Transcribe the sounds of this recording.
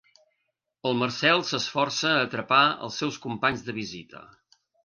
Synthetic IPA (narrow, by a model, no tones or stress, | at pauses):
əlˠmərsɛlˠsəsfɔrsəːt̪ɾəpaə̰lˠsːɛwskumpaɲzðəβizit̪ə̰